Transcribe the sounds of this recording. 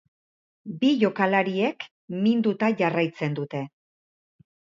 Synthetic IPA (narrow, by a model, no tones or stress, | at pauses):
biʝo̞kalaɾie̞k | mind̪ut̪aʝarajt͡se̞nd̪ut̪e̞